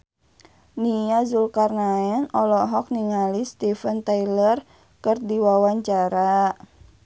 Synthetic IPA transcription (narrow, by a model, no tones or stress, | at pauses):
nijazulkarnaɛnɔlɔɦɔk̚niŋalist̪ifənt̪ailər | kərdiwawaɲt͡ʃaɾa